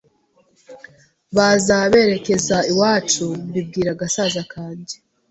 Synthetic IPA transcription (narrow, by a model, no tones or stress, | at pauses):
βazaβe̞ɾe̞ke̞zaiwaːt͡ʃumbib̚ɡiːɾaɡasazakʰaːndi